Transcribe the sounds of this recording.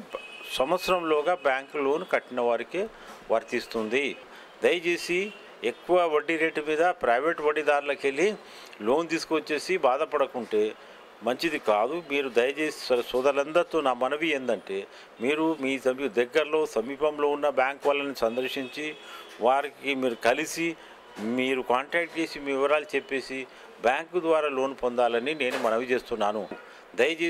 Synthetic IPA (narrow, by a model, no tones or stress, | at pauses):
sɐmɐt̪sɐɾɐmlɔːɡaːbjaːŋklo̞ːnkɐʈːinɐʋɐːɾike | ʋɐɾt̪ist̪und̪i | d̪ɐjɐt͡ʃe̞ːsi | ekːuʋɐʋɐɖːiɾe̞ːʈmiːd̪ɐpɾɐjʋe̞ːʈʋɐɖid̪aːɾulɐke̞li | lo̞ːnt̪iːsu̥kuʋɐt͡ʃːe̞ːsibaːd̪ɐpɐɽɐkuɳʈe̞ː | mɐɲt͡ʃid̪ikaːd̪umiːɾud̪ɐjɐt͡ʃe̞ːsi̥sɐɾsɔːd̪ɐlɐnd̪ɐɾt̪oːnaːmɐnɐʋiend̪ɐɳʈe̞ː | miːɾumiːsɐmd̪ɛɡːɐɾɐlo̞ːsɐmiːpɐmlo̞ːunːɐbjaːŋkʋɐlːɐnisɐnd̪ɐɾʂiɲt͡ʃiʋaːɾikimiːɾukɐlisi | miːɾukaːɳʈɾaːk̚ʈ̚t͡ʃe̞ːsimiːʋiʋɐɾaːlit͡ʃepːe̞ːsi | bjaːŋkd̪ʋaːɾaːlo̞ːnpond̪aːlɐnine̞ːnumɐnɐʋit͡ʃe̞ːst̪unːaːnu | d̪ɐjɐt͡ʃeː